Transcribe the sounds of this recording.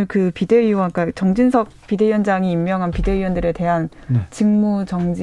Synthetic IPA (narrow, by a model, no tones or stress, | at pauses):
ɯɭkɯpide̞ɥiwʌnk͈at͡ɕʌŋd͡ʑinsʰʌk̚pide̞jʌnd͡ʑaŋiːmːjʌŋɦanpide̞ɥiwʌndɯɾe̞te̞ɦan | t͡ɕiŋmut͡ɕʌŋd͡ʑi